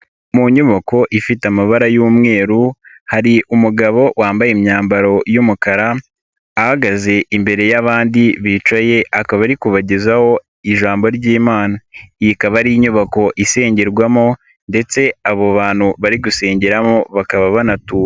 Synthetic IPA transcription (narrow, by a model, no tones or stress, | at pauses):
muɲuβako̞ʔifitamaβaɾajuːmŋe̞ːɾu | haɾiʔumuɡaβo̞waːmbajemɲaːmbaɾo̞jumukaɾaː | haɡaze̞ʔimbe̞ɾe̞jaβaːndiβiːt͡ʃaje̞ʔakaβaɾikuβaɟezaho̞ | iʒaːmbo̞ɾɟiːmaːnajikaβaɾiiɲuβako̞ʔise̞ːɲɟe̞ɾɡwamo̞ | nde̞t͡se̞aβoβaːn̥huβaɾiɡuse̞ːɲɟeɾamo̞βakaβaβanatu